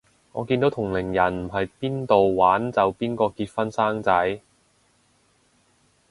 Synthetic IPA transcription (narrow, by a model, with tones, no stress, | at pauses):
ŋɔː˨˧kiː˧nt̪o˨˥wt̪ʰʊ˨˩ŋlɪ˨˩ŋjɐ˨˩nm̩˨˩ɦɐ˨jpiː˥nt̪o˨wwaː˨˥nt͡sɐ˨wpiː˥nkɔː˧kiː˧t̚fɐ˥nsaː˥ŋt͡sɐ˨˥j